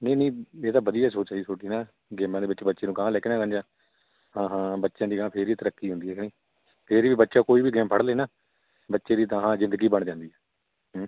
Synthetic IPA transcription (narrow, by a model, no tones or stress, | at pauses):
nəːnĩːeːt̪aːʋəd̪ijaːsoːtt͡ʃaːiːsʰoːʈiːnaː | ɡɛːmãːd̪eːbətːʃeːbətːʃeːnũːkãːlɛːkɪnaːkə̃nd͡ʒãː | ɦãːɦãːbətːʃãːd̪iːɡãːpʰɪɾiːt̪əɾəkːiːɦʊ̃nd̪iːɛːkniː | pʰɪɾiːʋiːbətːʃãːkoːiːbiːɡɛːmpʰəɽleːnaː | bətːʃeːd̪iːd̪ãɦãːzɪ̃nd̪əɡiːbəɳd͡ʒãːnd̪iːɦɛː | ɦ